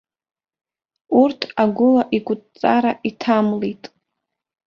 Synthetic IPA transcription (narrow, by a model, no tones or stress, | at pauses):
urtʰaɡʷʊlaʔiɡʷʼʊtʼt͡sʼaɾaʔitʰamlitʼ